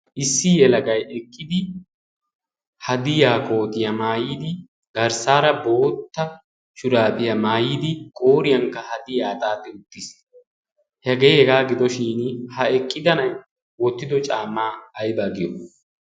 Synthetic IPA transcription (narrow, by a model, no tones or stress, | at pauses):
ʔɪsːɪjɛlɐɡɐjɛkʼːɪd̪ɪ | hɐd̪ɪjaːkʼo̞ːt̪ɪjɐmaːjid̪ɪ | ɡɐɾsaːɾɐbo̞ːt̪ːɐ | ʃʊɾaːpɪjɐmaːjiːd̪ɪkʼo̞ːɾɪjɐŋkːɐhɐd̪ɪjaːt̪ʼaːt̪ːɛʊt̪ːɪs | hɛɡejhɛɡaːɡɪd̪ɔʃiːnhɐɛkʼːɪd̪ɐnɐj | wɔt̪ːɪd̪ɔt͡ʃʼaːmːaːjbaːɡɪjɔ̰